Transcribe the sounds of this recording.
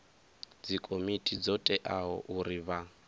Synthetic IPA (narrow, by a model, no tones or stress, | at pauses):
d͡zikʼomitʼid͡zɔtʼɛʔaɦɔ̰ʔuɾiβa